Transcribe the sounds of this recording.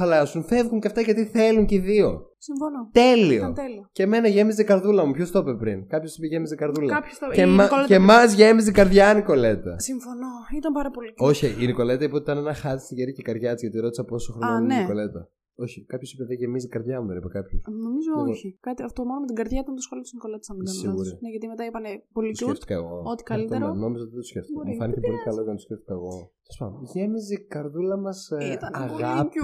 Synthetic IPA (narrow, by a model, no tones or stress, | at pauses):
xɐlɐsunθe̞vɣuɲceft̪ɐʝɐt̪iθe̞luɲcðio̞̰siɱfonot̪e̞lio̞̰t̪elioce̞me̞nɐʝe̞mizekɐɾðulɐmupço̞st̪o̞pepɾinkɐpço̞si̥peʝe̞mizekɐɾðulɐçemɐoemɐzʝe̞mizikɐɾðʝɐniko̞le̞t̪ɐ̰siɱfonoit̪ɐmpɐɾɐpolio̞çiʔiniko̞le̞t̪ɐipot̪it̪ɐnenɐxɐt̪i̥st̪iʝeɾicekɐɾʝɐt̪izʝɐt̪iɾo̞t̪isɐpo̞soxɾonineiko̞le̞t̪ɐ | o̞çikɐpço̞sipeðeʝemisiɡɐɾðʝɐmuðenipekɐpçosno̞mizooçikɐt̪iɐft̪omonomet̪iɡɐɾðʝɐit̪ɐnt̪ɐsxoliot̪usniko̞le̞t̪e̥sɐmisiɐɣuɾine̞ʝɐt̪imet̪ɐipɐnepo̞lisueft̪i̥kɐeɣoot̪i̥kɐlit̪oemɾoeno̞mizot̪iðet̪usceft̪iikɐefɐnitepo̞lit̪kɐlotɐnɐt̪o̥sceft̪i̥kɐeɣo̞se̥spɐmʝemizekɐɾðulɐmɐsit̪ɐnɐɣɐp